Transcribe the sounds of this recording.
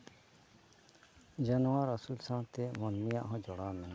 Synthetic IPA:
d͡ʒɐnwaɾəsulsãːt̪emɔnmijaʔɦɔ̃d͡ʒɔɽaːmɛn

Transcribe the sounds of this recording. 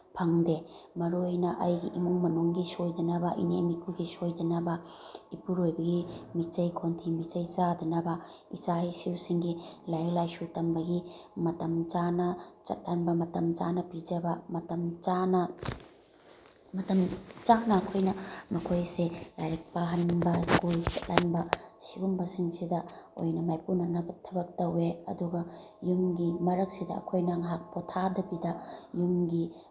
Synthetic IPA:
pʰaŋdemɐɾojnɐʔajɡiʔimuŋmɐnuŋɡisojdɐnɐbɐʔḭnemikʰuɡisojdɐnɐbɐipuɾojbɐɡimit͡ʃɐjkʰontʰimit͡ʃɐjzadɐnɐbɐisajsiwsiŋɡilajlajsutɐmbɐɡimɐtɐmt͡ʃanɐt͡ʃɐ̰t̚ːanbɐmɐtɐmt͡ʃa̰nɐpid͡ʒɐbɐmɐtɐmt͡ʃanɐ | mɐtɐmt͡ʃaŋnɐːkʰojnɐmɐkʰojselajɾek̚paɦɐnbɐskult͡ʃɐt̚lanbɐsiɡumbɐsiŋsidɐo̰jnɐmajpunɐnɐbɐtʰɐbɐk̚tɐweɐ̰duɡɐjumɡimɐɾɐk̚sidɐɐ̰kʰojnaŋɦak̚potʰadɐbidɐjumɡi

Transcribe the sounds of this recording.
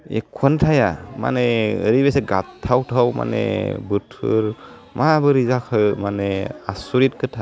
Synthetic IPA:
ɛ̰kʰːɔntʰajama̰nɛɾibesɛɡat̚tʰːawtʰawma̰nɛ̰bɯtʰɯ̰ɾ | mabɯɾizakʰɯmanɛasuɾit̚kʰɯtʰa

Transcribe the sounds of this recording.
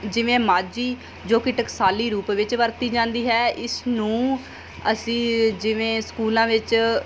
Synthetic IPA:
d͡ʒɪʋẽːmaːd͡ʒiː | d͡ʒoːkɪʈəksaːliːɾuːpʋɪt͡ʃʋəɾt̪iːd͡ʒãːnd̪iːɦɛːʔɪsnũː | əsĩːd͡ʒɪʋẽːskuːlãːʋɪt͡ʃ

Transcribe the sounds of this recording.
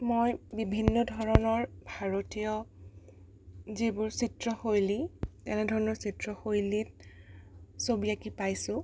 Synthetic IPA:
mojbibʱinːɔdʱɔɹɔnɔɹbʱaɹotijɔ | zibʊɹsitɹɔxojlitɛnɛdʱɔɹɔnɔɹsitɹɔxojlit̚ | sobiakipajsʊ̃

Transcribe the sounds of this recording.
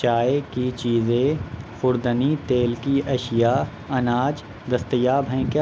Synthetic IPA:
t͡ʃaːekit͡ʃiːzẽxʊɾd̪ənit̪eːlkiɐʃɪja | ɐnaːd͡ʒ | d̪ɐst̪əjaːbɦɛ̃kjaː

